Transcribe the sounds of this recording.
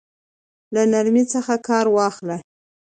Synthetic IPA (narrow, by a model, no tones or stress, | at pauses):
lanaɾmit͡səxakɑɾwɑxla